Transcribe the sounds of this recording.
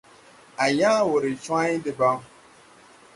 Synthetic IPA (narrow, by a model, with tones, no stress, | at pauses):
a˨ɲa˦wʊ˨ɾɪ˨t͡ʃa˦ɲɪ˦dɪ˨ba˦m˦